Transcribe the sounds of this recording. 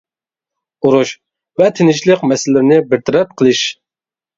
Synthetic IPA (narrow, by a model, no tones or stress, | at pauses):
uɾuʃ | vɛt̪ʰɪnɪʃləqmɛsɪlːɪɾɪnɪbɪɾt̪ʰɛɾɛp̚qʰəlˠɨʃ